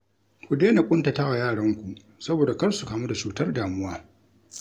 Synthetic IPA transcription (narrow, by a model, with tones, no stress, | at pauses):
kʷu˨deː˦na˨kʷʼʊ˦nta˨tɐ˦ɣa˨jaː˦˨ɽɐ˦ŋkʷu˨ʔ | sɐ˦boː˨da˨kɐ˦rsu˨kaː˨mu˦da˨t͡ʃuː˨tɐ˦rdaː˨mʊ˦waː˦